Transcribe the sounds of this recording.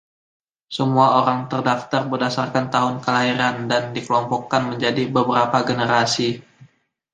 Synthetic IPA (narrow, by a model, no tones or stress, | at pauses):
səmuaoɾaŋt̪ərdaft̪arbərdasarkant̪aɦʊnkəlaɦiɾandandikəlɔmpɔkːanməɲd͡ʒadibəbəɾapaɡənəɾasi